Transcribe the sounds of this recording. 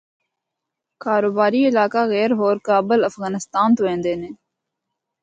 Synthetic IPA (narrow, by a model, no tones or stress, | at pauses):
kaːɾoːbaːɾiːɪlaːkaːɣɛːɾɦoːɾkaːbələfɣaːnɪst̪aːnt̪ʊʋẽːnd̪eːnẽː